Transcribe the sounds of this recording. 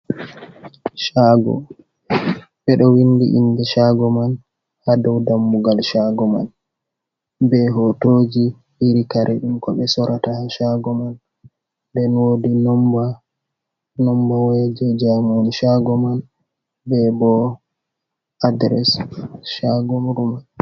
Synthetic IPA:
ʃaɡɔ̰ | ɓɛɗɔwindḭʔḭndɛʃaɡɔman | hadɔwdamːuɡalʃaɡɔma̰n | bɛɦɔtod͡ʒi | ʔiɾikaɾʔɛɗumkɔɓɛsɔɾʔatahaʃaɡɔman | dɛnwoːdinɔmba | nɔmbawed͡ʒɛd͡ʒamɔnʃaɡɔman | bɛbɔ | adɾɛsʃaɡɔmuɾuman

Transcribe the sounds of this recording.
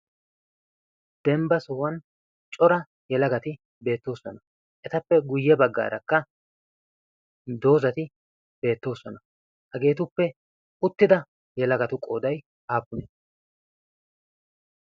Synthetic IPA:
d̪̥ɛmbɐsɔwɐn | t͡ʃʼɔɾɐ | jɛlɐɡɐt̪ɪ | be̞ːt̪ːo̞ːsɔnɐ | ʔɛt̪ɐpːɛɡʊjːɛbɐɡːa̰ːɾɐkːɐ | d̪o̞ːzɐt̪ɪ | be̞ːt̪ːo̞ːsɔnɐ | hɐɡe̞ːt̪ʊpːɛ | ʊt̪ːɪd̪ɐ | jɛlɐɡɐt̪ʊkʼo̞ːd̪ɐj | aːpːʊne

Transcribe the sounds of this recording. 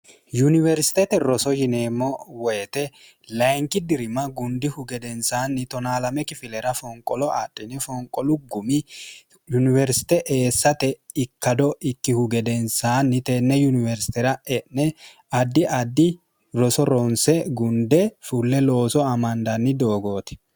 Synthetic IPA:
junɪvɛɾsɪ̥t̪ɛt̪ɛɾɔsɔjɪne̞ːmːɔwɔjɛt̪ɛ | lɐjŋkɪd̪ɪɾɪmɐɡʊnd̪ɪhʊɡɛd̪ɛnsaːnːɪt̪ɔnaːlɐmɛkɪfɪlɛɾɐfɔŋkʼːɔlɔatʼːɪnɛfɔŋkʼɔlʊɡʊmɪ | junɪvɛɾsɪ̥t̪ɛʔe̞ːsːɐt̪ɛɪkːɐd̪ɔʔɪkːɪhʊɡɛd̪ɛnsaːnːɪt̪eːnːɛjʊnɪvɛɾsɪ̥t̪ɛɾɐɛʔnɛ | ɐd̪ːɪʔɐd̪ːɪ | ɾɔsɔɾɔnsɛɡʊnd̪ɛfulːɛlo̞ːsɔɐmɐnd̪ɐnːɪd̪o̞ːɡo̞ːt̪ɛ̥

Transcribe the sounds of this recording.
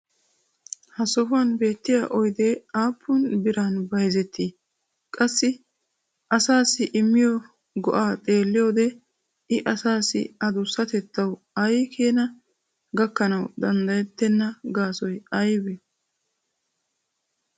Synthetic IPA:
hɐsɔfʊɐnbe̞ːt̪ːɪjaʔɔjd̪eːaːpʰːʊnbɪɾanbɐjzɛt̪ːiː | kʼɐsːɪ | ʔɐsaːsɪʔɪmːɪjɔ | ɡɔʔaːt̪ʼe̞ːlːɪjo̞ːd̪ɛ | ɪʔɐsaːsɪ̰ɐd̪ʊsːɐt̪ɛt̪ːɐw | ɐjkʰeːnɐ | ɡɐkːɐnɐwd̪ɐnd̪ɐjɛt̪ːɛnːɐɡaːsɔjɐjbɛ

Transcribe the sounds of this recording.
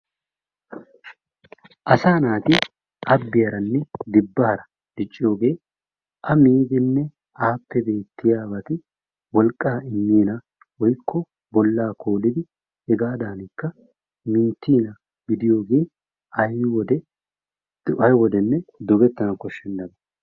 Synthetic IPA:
ʔɐsaːnaːt̪ɪ | ʔɐbːɪjɐɾɐnːɛd̪ɪbːɐhɐɾɐ | d̪̥ɪt͡ʃʼːɪjo̞ːɡe̞ː | ʔɐmiːɡ̪ɛnːɛ | aːpːɛbe̞ːt̪ːɪjaːbɐt̪ɪ | wɔlkʼːaːɪmːiːnɐ | wɔjkːɔ | bɔlːaːkʰoːlɪd̪ɪ | ɛɡaːd̪aːnɪkːɐ | mɪnt̪ːiːnɐ | ɡɪd̪ɪjo̞ːɡe̞ː | ɐjwɔd̪ɛ | ɐjwɔd̪ɛnːɛd̪ɔɡɛt̪ːɐnɐkɔʃːɛnd̪ɐnɐ

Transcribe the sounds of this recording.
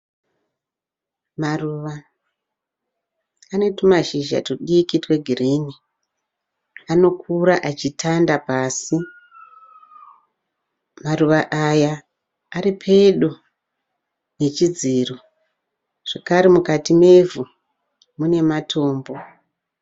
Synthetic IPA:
maruʋa | ane̞tumaʒiʒa̰toɗikitwe̞ɡʱirini | ano̞kʰuɾaʔat͡ʃitʰandapaːsi | maruʋaʔajaː | ɾipʰe̞ɗu | ne̞t͡ʃid͡ziro | ʐ̥ekaɾemukatime̞vu | mune̞matʰo̞ːmbo̞

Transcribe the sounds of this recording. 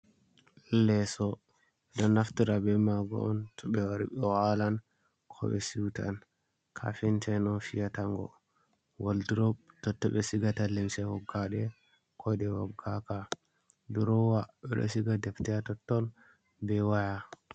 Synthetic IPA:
lɛsɔ | ɗɔnaftiɾabɛmaɡɔ̰ɔntʰɔɓɛwaɾiɓɛwalan | kʰɔ̰ɓɛsiwta̰n | kʰa̰fintʰɛnɔfijataŋɡɔ̰ | waldiɾɔtɔtːɔɓɛsiɡatalewsɛhɔɡːaɗɛ | kʰɔdɛwaɡaka | duɾɔwaɓɛ̰ɗɔ̰siɡadɛftɛatɔtːɔl | bɛwaja

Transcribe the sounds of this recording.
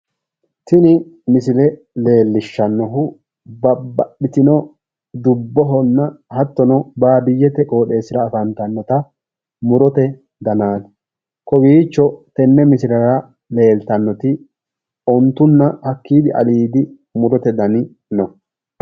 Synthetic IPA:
t̪ɪnɪmɪsɪlɛ | le̞ːlːɪʃːɐnːɔɦʊ | bɐbɐɗɪt̪ɪnɔ | d̪ʊbːɔɦɔnːɐhɐt̪ːɔnɔbaːb̪ɪjːɛt̪ɛkʼo̞ːɗe̞ːsɪɾɐːfɐnt̪ɐnːɔt̪ɐ | mʊɾɔt̪ɛ | d̪ɐnaːn | kɔbiːt͡ʃːɔt̪ɛnːɛmɪsɪlɐɾɐ | le̞ːlt̪ɐnːɔt̪ɪ | ɔnt̪ːʊnːɐhɐkːiːd̪ɪʔɐ̰liːd̪ɪ | mʊɾɔt̪ɛd̪ɐnɪ | nɔ

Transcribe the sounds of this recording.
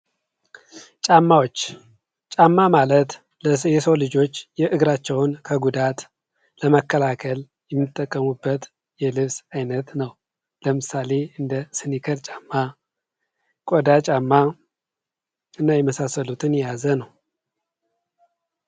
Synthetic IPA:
t͡ʃʼamːawot͡ʃː | t͡ʃʼamːamalət̪ | ləjɛsəwlɨd͡ʒo̞t͡ʃːjɛʔɨɡɾat͡ʃːɛwnkʰəɡud̪at̪ | ləməkːəlakʰəl | jɛmːɨt̪ʼːəkʼːəmubːət̪ | jɛlɨβsajnət̪nəw | ləmɨsale̞ɨnd̪əsɨnikʰəɾt͡ʃʼamːa | kʼod̪at͡ʃʼamːa | ɨnːajɛməsasːəlut̪ʰɨnjɛjazənəw

